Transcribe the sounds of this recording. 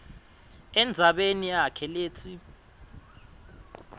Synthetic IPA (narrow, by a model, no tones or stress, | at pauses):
ɛnd͡zʱaɓenijakʰɛleːt͡sʰi